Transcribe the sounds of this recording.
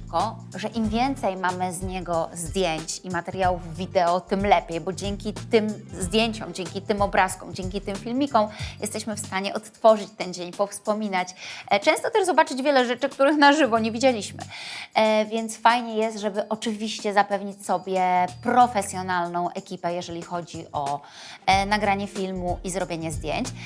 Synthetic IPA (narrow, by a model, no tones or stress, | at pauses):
kɔ | ʐɛʔimvʲjɛnt̪sɛjmamɘzɲɛɡɔzd̪ʲjeɲt͡ɕimat̪ɛɾʲjawuvːʲid̪ɛɔt̪ɘmlɛpʲjejbɔd͡ʑɛŋkʲit̪ɘmzd̪ʲjeɲt͡ɕɔ̃w̃d͡ʑɛŋkʲit̪ɘmɔbɾaskɔ̰̃md͡ʑɛŋkʲit̪ɘmfʲilmʲikɔ̃w̃jʔɛst̪ɛɕmɘfst̪aɲɛʔɔt̪ːfɔʐɘt͡ɕt̪ɛnd͡ʑeɲpɔfspɔmʲinat͡ɕt͡ʂɛ̃w̃st̪ɔt̪ɛʐzɔbat͡ʂɘd͡ʑvʲjɛlɛʐɛt͡ʂɘkt̪uɾɘxnaʐɘvɔɲevʲid͡ʑelʲiɕmɘ̰ | vʲjɛnt̪sfajɲɛjɛst̪ʐɛbɘʔɔt͡ʂɘvʲiɕt͡ɕɛzapɛvɲit͡ɕʲsɔbʲjɛpɾɔfɛsʲjɔnalnɔ̃w̃ʔɛkʲipɛjɛʐɛlʲixɔd͡ʑiʔɔ | naɡɾaɲɛfʲilmuʔizɾɔbʲjeɲɛzd̪ʲjḛɲt͡ɕ